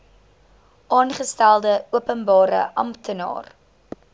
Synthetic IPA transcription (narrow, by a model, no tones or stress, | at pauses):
ʔɑːnχəstælˠdəuəpənbɑːɾə̰ʔɐ̰mtənɑ̰ːr